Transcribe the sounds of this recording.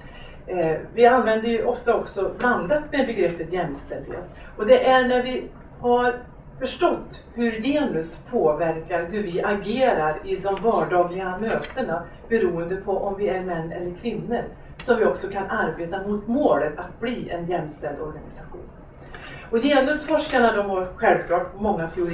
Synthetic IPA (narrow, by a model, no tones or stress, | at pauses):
vɪanvɛnd̪əjɵʔɔft̪aɔksɔland̪at̪mɛbɛɡɾɛpːət̪jɛmːst̪ɛld̪hḛːt̪ | ɔd̪ɛʔæɳæɾvɪ | haɾ | fœʂʈɔt̪ːhɵɾjeːnɵspʰoːvæɾkaɾɦɵɾvɪʔaɡeːɾaɾɪd̪ɔmvɑːɖɑːɡlɪɡamøːt̪əɳa | bɛɾuːənd̪əpʰɔʔɔmvɪæɾmɛnːɛ̰lːəɾkʰvɪnːəɾ | sɔmvɪɔksɔkʰanʔaɾbeːt̪amʊt̪moːlət̪at̪̚bliːʔɛnjɛmːst̪ɛld̪ɔɾɡanɪsaɧṵːn | ɔjeːnɵsfɔʂkaɳad̪ɔmɦaɾɧɛlvkʰlɑːʈ̚mɔŋːat̪ʰɛʊɾ